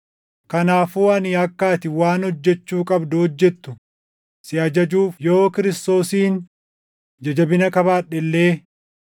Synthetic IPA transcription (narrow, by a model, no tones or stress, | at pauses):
kɐnaːfuːɐnɪɐkːaːt̪ɪwaːnhɔd͡ʒːɛt͡ʃːuːkʼɐbd̪ʊhɔd͡ʒːɛt̪ːʊ | sɪɐd͡ʒɐd͡ʒuːfjoːkɪɾɪst̪o̞ːsiːn | d͡ʒɛd͡ʒɐbɪnɐkɐβaːᶑːɛlːeː